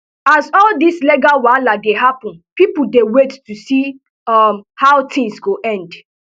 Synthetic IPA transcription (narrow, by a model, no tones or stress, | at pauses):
azɔldisleɡawaladeɦapɔ̃npipudewettusi | amhaʊtɪ̃ŋsɡoʔɛ̃nd